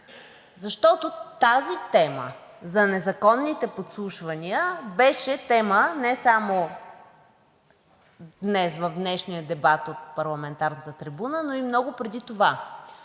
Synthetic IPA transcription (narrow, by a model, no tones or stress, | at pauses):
zɐʃt̪ɔt̪ot̪azit̪ɛmə̰zɐnɛzɐkɔnːit̪ɛpot̪slˠuʃvɐniəbɛʃɛt̪ɛmənɛsamo | d̪nɛsvɐvd̪nɛʃnijəd̪ɛbat̪ot̪̚pɐɾlˠɐmɛnt̪aɾnət̪ət̪ɾibunənoimnɔɡʊpɾɛd̪it̪ova